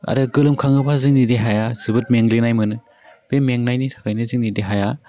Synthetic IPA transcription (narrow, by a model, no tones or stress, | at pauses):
a̰ɾɯɡɯlɯmkʰaŋɯbʰazɯŋnideɦajazɯbɯt̚meŋlinajmɯnɯ | b̥emeŋnajnitʰḁkʰajnɯzɯŋnideɦaja